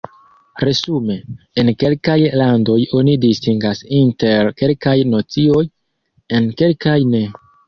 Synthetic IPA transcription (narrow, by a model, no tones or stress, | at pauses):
ɾe̞sume̞ | enke̞lkajlando̞jo̞nidistiŋɡasinte̞ɾke̞lkajnot͡sio̞j | e̞nke̞lkajne